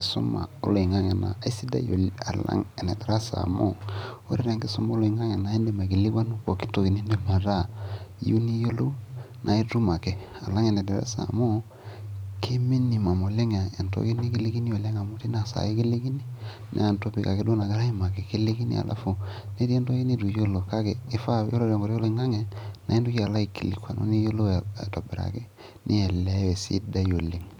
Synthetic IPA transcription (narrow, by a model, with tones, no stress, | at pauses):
so̰˦ma̰˨o̰˦lo˨i˨ŋa˦ŋe˨na̰˨a˨i˦si˦da̰˦jo̰˨la˨la̰˦ŋe˨nḛ˨dɛ˨ɾa˦sa̰˨mo̰˦o̰˦ɾi˦ɾa˨ŋɡi˦su˦ma˦lo˨i˨ŋa˦ŋe˨na˨e˦nde˨ma˨ɡi˨li˦ɡa˦nu˦ko˨ki̥˦to˦ɡi˨ni˦nde˨ma˨ɾa˦ju˦ni˦jo˦lo˦ | nʔa˨i˦tu˦ma˨ke˨ | a˨la˦ŋe˨nɛ˨dɛ˨ɾa̰˦sa̰˨mo˦ | kʰe˦mi˦ni˨ma˨mo˨le˦ŋa˨e˨nto̰˦ɡi˦ni˦ki˦li˦ɡi˦ni˦jo˨le˦ŋa˨mo˦ti˦na˨sa̰˨e˦ki˦le˦ɡi˦ni˦ | na̰˨nto˦pi˦ka̰˨ke˦do˦na˨ɡa˦ɾa˦i˦ma˨ke˨ki˦le˦ki˦nḭ˦a̰˨lʔa̰˦fo˨ne˦di˦e˦nto˦ɡi˦ni˦du˨jo˦lo˨ka˦keː˨˦fa˦jo˦lo˦dŋɡo˨ɾjo˦lo˦i˨ŋa˦ŋe˨na˨i˦ndu˦ki˦a˨la˦i˨kḭ˨lḭ˨kwa˨no̰˦ni˦jo˦lo̰˦˨to˨bḛ˨ɾa̰˨ke˦ | nʔḭ˦ɛ˨lɛ˦wɛ˨sḭ˦da˦jo˨le˨ŋ